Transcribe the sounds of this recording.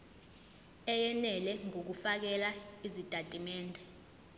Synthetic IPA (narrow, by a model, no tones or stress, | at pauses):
ɛjɛnɛlɛŋok̬ufak̬ɛlaizid̥ʱʼatʼimɛːndʱɛ